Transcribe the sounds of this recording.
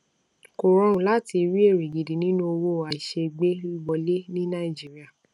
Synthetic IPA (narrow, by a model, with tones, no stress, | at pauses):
ko˨ɾɔ̃˧ɾũ˨la˨˦ti˧ɾi˦e˦˨ɾi˨ɡi˨di˨nĩ˦nũ˦o˧wo˦˨a˨i˨ʃe˧ɡ͡be˦i˦ɡ͡bɔ˧le˦nĩ˦nã˦˨i˨d͡ʒi˦ɾi˦a˦˨